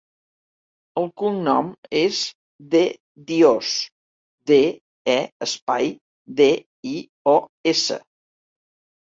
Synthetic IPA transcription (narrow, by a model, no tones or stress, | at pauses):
əlˠkuŋnɔmez | ðe | d̪ios | d̪e | ɛəspaj | ðe | i | ɔesə̰